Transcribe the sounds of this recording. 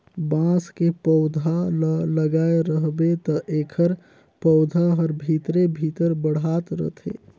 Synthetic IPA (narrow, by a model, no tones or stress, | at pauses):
bãskepəʊd̪ʱalləɡaːeɾəɦbet̪ɔʔeːkʰəɾ | pəʊd̪ʱaɦəɾbʱit̪ɾebʱit̪əɾbəɽ̤at̪ɾə̰t̪ʰḛ